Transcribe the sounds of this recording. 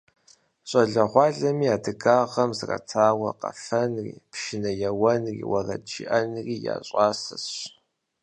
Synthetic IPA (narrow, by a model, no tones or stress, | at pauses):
ɕʼɐɮɐʁʷɑːɮɐmiːaːdɨɡaːʁɐmzra̰tʰaːwɐqɐ̰fɐnrḭːpʃɪnɐjɛwɐnrḭːwɐrɐ̰t͡ʃiʔɐnriːja̰ːɕʼɑːsɐsɕ